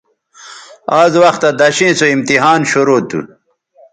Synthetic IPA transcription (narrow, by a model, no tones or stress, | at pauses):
aːzwɐxt̪ad̪ɐɕĩːsoimt̪iɦaːnɕoɾoːt̪ṵ